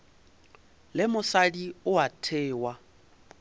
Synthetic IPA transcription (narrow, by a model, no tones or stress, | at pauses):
lɪmʊsadiʊatʰeːwa